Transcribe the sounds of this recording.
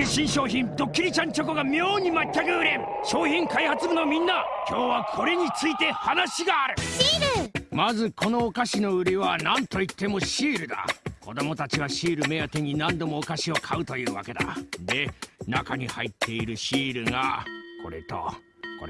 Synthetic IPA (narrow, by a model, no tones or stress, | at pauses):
ɕĩɰ̃ɕo̞ːçĩnd̪o̞kʲːiɾʲit͡ɕãɲ̟t͡ɕo̞ko̞ɡamʲo̞ːɲ̟imat̪ːakɯ̟ɯɾe̞ | ɕo̞ːçĩŋkaihat͡sɨbɯnomʲĩnːa | kʲo̞ːβakʰo̞ɾe̞ɲ̟it͡sɨit̪e̞hanaɕiɡaːɾɯ̟ɾɯmazɨkʰo̞no̞ːkaɕino̞ɯ̟ɾʲiβanãnt̪o̞it̪ːe̞mo̞ɕiːɾɯ̟d̪a̰ko̞d̪o̞mo̞t̪at͡ɕiβaɕiːɾɯ̟me̞jat̪e̞ɲ̟inãnd̪o̞mo̞ːkaɕio̞kʰaɯ̟t̪o̞jɯ̟ːβa̰ke̞d̪a̰d̪e̞nakaɲ̟ihait̪ʰːe̞iɾɯ̟ɕiːɾɯ̟ŋa̰kʰo̞̰ɾe̞̰t̪o̰ | ko